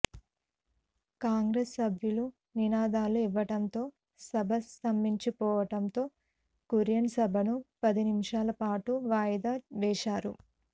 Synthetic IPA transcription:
kaːŋɡɾesːɐbʱjulu | ninaːd̪aːluiʋːɐʈɐnt̪o̞ː | sɐbʱɐst̪ɐmiɲt͡ʃipɔːʋɐʈɐnt̪o̞ː | kuɾjɐnsɐbʱɐnupɐd̪inimʂaːlɐpaːʈuʋaːjɐd̪aːʋɛːʃaːɾṵ

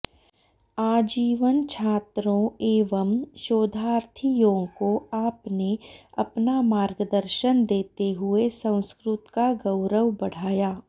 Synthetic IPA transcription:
aːd͡ʒiːʋənt͡ʃʰaːt̪ɾõeːʋəmʃoːd̪ʱaːɾt̪ʰijõːkoaːpneɐpnamaːɾɡəd̪əɾʃənd̪eːt̪eɦʊesɐ̃w̃skɾʊt̪kaɡɐʊɾəʋbɐɽ̤aːjaː

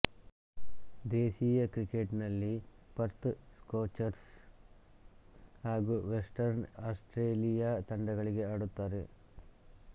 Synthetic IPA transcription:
d̪eːsiːjɐkɾike̞ʈnɐlːipɐɾt̪skoːt͡ʃɐɾs | haːɡuːʋesʈɐɾnaːsʈɾeːlijaːt̪ɐɳɖɐɡɐɭiɡe̞aːɽut̪ːaːɾe̞

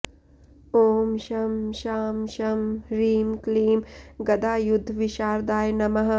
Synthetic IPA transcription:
oːmʃɐmʃaːmʃɐmɾiːmkliːmɡɐd̪aːjud̪ʱːʋiʃaːɾd̪aːjnɐmɐɦɐ

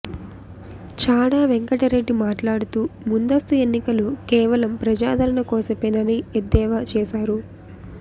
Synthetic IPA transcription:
t͡ʃaːɽaːʋeŋkɐʈɐɾe̞ɖːimaːʈlaːɽut̪uːmund̪ɐst̪ue̞nːikɐlukɛːʋɐlɐmpɾɐd͡ʒaːd̪ʱɐɾɐɳɐkɔːsɐpenɐnied̪ːɛːʋaːt͡ʃɛːsaːɾu

